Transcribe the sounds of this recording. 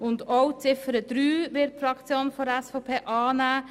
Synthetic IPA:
ʊndɔwt͡sɪfəɾəd̪̥ɾyːʋɪt̚fɾɑkt͡sjoːnfɔdæsfɔʊpʰeːʔɑːnæː

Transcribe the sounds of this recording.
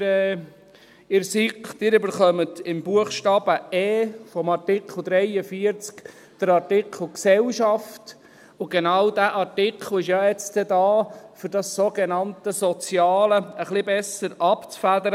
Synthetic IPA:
ɛ | ɪɾsiktɪːɾʏbəɾχœmət̪ɪmbuəχʃtɑːb̥əɛːfɔmɑrtɪkʰχl̩ˠd̪ɾɛɪəfiəɾt͡sk | d̥əɾɑɾtɪkʰl̩ˠksɛlʃɑft | ʊɡenɑwdæːʔɑtɪkχəl̩ɪʃjɑɛt͡st̪ɛd̪ɑːfʏɾd̥ɑsːoɡenɑnt̪əsɔt͡sjɑːləəχlɪbɛsəɾʔɑpt͡sfæd̪əɾə

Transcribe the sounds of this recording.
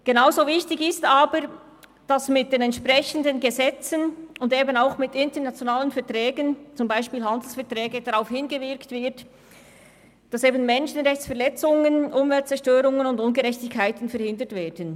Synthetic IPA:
ɡ̥enaʊzoːvɪçtɪçɪstaːbəɾ | d̥asmɪt̚d̥eːnɛntʃpʁɛçəndənɡəzɛt͡sənʊndeːbənaʊxmɪtɪntənat͡sjonaːlənfɛɐtʁɛːɡənt͡sʊmbaɪʃpiːlɦandl̩sfɛɐtʁɛːɡəd̥aʁaʊfhɪnɡəvɪɾktv̥ɪɐt | d̥ɑseːbənmɛnʃənʁɛçt͡ssfɛɐʁlɛt͡sʊŋənʔʊmvɛlt̚t͡sɛɾʃtøːɾʊŋənʊndʊnɡəɾɛçtɪkʰːaɪtən̩fɛɾhɪndətvɛːdən

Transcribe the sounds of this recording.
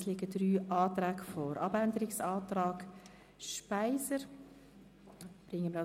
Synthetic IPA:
slɪɡədɾyːʔɑːt̪ɾæːɡfɔɾɑbænd̪əɾɪksɑːtɾɑːɡ | ʃpaɪsəɾ | b̥ɾɪŋəməɾɑ

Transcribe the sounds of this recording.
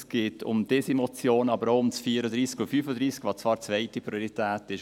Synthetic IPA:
sɡ̥ɪːtʰʊ̰md̥ɛsimɔt͡sjoːnɑbəɾoʊmt͡sfiːəɾədɾiːskofyfədɾiːskvɑt͡svɑːɾt͡svɛɪtipɾioɾitʰɛːtɪʃ

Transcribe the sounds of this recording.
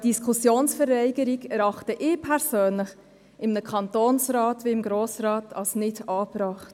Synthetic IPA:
d̥iskʰusjoːnsfɛɾɛɪɡəɾiɡɛɾɑχtəʔɪːpʰɛɾsøːnlɪχ | ʔɪmnəkʰɑntoːnsɾɑːtʋiɪmɡɾoːsɾɑːtʰɑlsnɪdɑːbɾɑːχt

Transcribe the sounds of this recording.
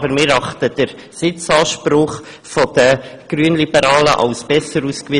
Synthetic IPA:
əɾmɪɾɑχt̪əd̥əɾ | sɪt͡sɑːʃpɾʊχ | fɔd̪̥əɡ̥ɾyənlibəɾɑːlə̰ʔɑ̰lsb̥ɛsəɾuskʋi

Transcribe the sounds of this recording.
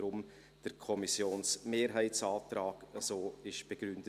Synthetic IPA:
ɾʊm | d̥əɾkʰɔmisjoːnsmeːɾɦɛɪt͡sɑːtraːɡ̥əzoːɪʃb̥eɡ̥ɾʏndə

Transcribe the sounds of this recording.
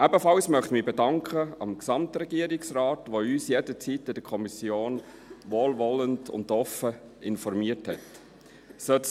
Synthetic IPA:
ʔæbəfɑlsmœχtmiːbɛdɑŋkʰχəɑmksɑmtɾɛɡiəɾɪksraːtʋoyːsjedət͡sitɪd̥əkʰɔmisjoːn | ʋoːlʋɔləndʊ̰ndɔfə | ɪnfɔɾmiəthɛt | søt

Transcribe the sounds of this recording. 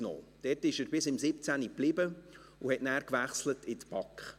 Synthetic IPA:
no̰ːd̪̥ɛtɪʃəɾbɪsɪmsɪpt͡sæniplɪbə | ʊhɛtnæːɾkvæχslətɪtpɑkχ

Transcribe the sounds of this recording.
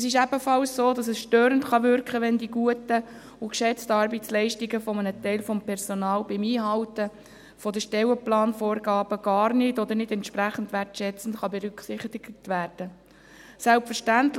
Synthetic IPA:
ɛsɪʃ̬æbəfɑlssoːdɑsəsʃtøːɾəntχɑʋʏɾkχəʋɛndiɡuətə | ʊkʃɛt͡stɑɾbɛt͡slɛɪʃtɪɡəfɔmənətɛɪlfɔmpʰɛɾsɔnɑːlbɪmiːɦɑwtə | fɔd̪əʃtɛwəplɑːnfoːɾɡɑːb̥əɡ̥ɑːrnɪdɔd̪əɾnɪdɛntʃpɾæχən̩tʋæɾtʃɛt͡sn̩tχɑbɛɾʏksɪχtɪɡtʋæːɾd̥ə | sælpfəɾʃtæntl

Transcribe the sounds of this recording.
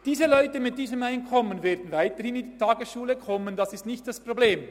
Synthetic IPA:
d̥iːzəlɔʏtəmɪt̚d̥iːzəmaɪnkʰɔmənvɛːɐdn̩vaɪtəhɪnɪnditʰɑːɡəsʃuːləkʰɔmənd̥ɑsɪstnɪçtd̥aspʁobleːm

